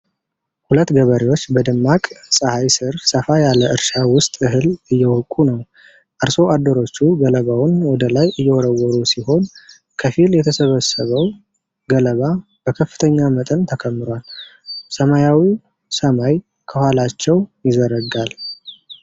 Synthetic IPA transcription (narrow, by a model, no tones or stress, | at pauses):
hulət̪ːɡəβəɾewo̞t͡ʃːbəd̪ɨmːakʼsʼəhajsɨɾsəfajaləɨɾʃawʊst̪ʼɨɦɨlɨjːɛwɔkʼunəw | ʔaɾso̞ʔad̪ːəɾo̞t͡ʃːuɡələβawʊnwɔd̪əlajʔɨjːɛwɔɾəwɔɾusiho̞n | kʰəfiljɛt̪ʰəsəβəsəβəw | ɡələβa | b̥əkʰəfːɨ̥t̪ʰəɲːamət̪ʼənt̪ʰəkʰəmːɨɾalsəmajawi | səmaj | kʰəhʷalat͡ʃːɛwjɪzəɾəɡal